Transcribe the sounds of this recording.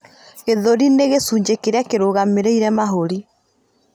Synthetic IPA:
eðoɾineɣesuːɲd͡ʑekeɾeakeɾoːɣameɾeiɾɛmaɦoɾi

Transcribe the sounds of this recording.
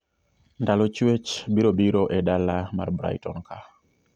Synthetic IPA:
ndalɔt͡ʃwet͡ʃbiɾobiɾoʔɛdalama̰rbɾa̰jtɔnkʰa

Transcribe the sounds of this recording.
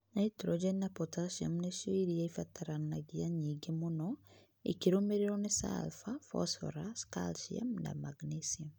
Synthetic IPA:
naitɾod͡ʒenːapotasiamnesoiɾiaifataɾanːaɡiaɲiɡemono | ḭkiɾumeɾeɾonesa̰lfafɔ̰sfɔ̰ɾaska̰lsia̰mna̰maɡnisiam

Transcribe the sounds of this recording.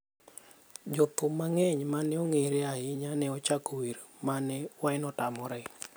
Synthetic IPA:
d͡ʒɔt̪ʊmːaŋɛɲmanɛɔŋeɾeaɪɲanɛɔt͡ʃakowiɾmanɛwaɪnɔtamɔɾɛ

